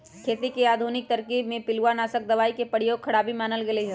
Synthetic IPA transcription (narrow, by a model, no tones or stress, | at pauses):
kʰeːt̪ikeaːd̪ʱuːnɪk̚t̪ɐɾkiːbmẽpɪluwanaːsək̚d̪ɐʋaːikepəɽjoːɡ̚kʰɐɽaːbimaːnəlɡeleɦɛː